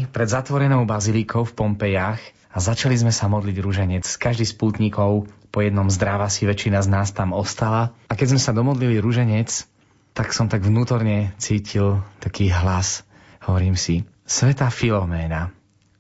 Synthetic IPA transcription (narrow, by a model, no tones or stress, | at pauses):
pɾɛd̪zat̪ʋɔɾɛnɔʊbazilikʰɔʊfpɔmpɛjax | azat͡ʃalizmɛsamɔd̪liɟɾuʒɛɲɛt͡skaʒd̪iːspuːt̪ɲikɔʊpɔjɛd̪nɔmzd̪ɾaʋasiʋɛt͡ʃinaznaːst̪amɔst̪alaakɛzmɛsad̪ɔmɔd̪liliɾuʒɛɲɛt͡s | t̪aksɔmt̪aɡʋnuːt̪ɔɾɲɛt͡siːcʰilt̪akiːɦlas | hɔʋɔɾiːmsi | sʋɛt̪aːfilɔmɛːna